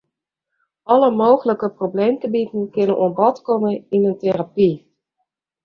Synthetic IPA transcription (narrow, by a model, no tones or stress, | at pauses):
ɔləmoːɣələkəprobleːmtəbitn̩kɪnənʔuənbɔtkɔməinənterapi